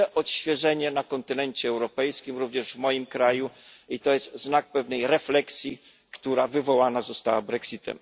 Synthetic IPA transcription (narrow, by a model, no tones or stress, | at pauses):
ɛʔɔt̪ɕfʲjɛʐɛɲɛnakɔnt̪ɘnɛɲt͡ɕɛːwɾɔpɛjskʲimɾuvɲɛʐvmɔjimkɾajuit̪ɔjɛst̪znak̚pɛvnɛjɾɛflɛksʲji | kt̪uɾavɘvɔwanazɔst̪awabɾɛksit̪ɛ̰m